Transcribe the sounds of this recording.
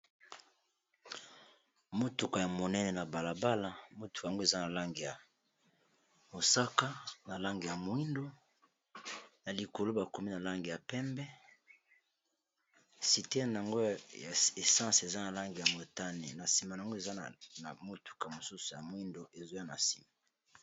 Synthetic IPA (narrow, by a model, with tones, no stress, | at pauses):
mo˦tu˨ka˨ja˨mo˨nɛ˦nɛ˨na˨ba˨la˨ba˦la˨mo˦tu̥˨ka˨ŋɡo˦e˨za˦na˨la˦ŋɡi˨ja˨ | mo˨sa˦ka˦na˨la˦ŋɡi˨ja˨mwi˦ndo˦ | na˨li˨ko˨lo˦ba˨ko˨mi˦na˨la˦ŋɡi˨ja˨pɛ˦mbɛ˦ | si˨te˦jn˨a˨ŋɡo˦ja˨e˨sã˦se˨za˦na˨la˦ŋɡi˨ja˨mo˨ta˦nḛ˨na˨si˨ma˨a˨a˨ŋɡo˦e˨za˦n˨mo˦tu̥˨ka˨mo˨su˦su˨ja˨mwi˦ndo˨ʔe˨zo˦ja˦na̰˨si̥̰˨ma˨